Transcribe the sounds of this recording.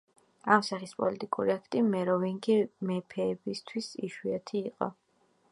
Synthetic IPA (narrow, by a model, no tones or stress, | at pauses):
amsaχispʼɔ̰lit̪ʼikʼṵɾiakʰt̪ʼimɛɾɔviŋɡimɛpʰɛːbist̪ʰwisiʃwiat̪ʰiːqʼɔ̰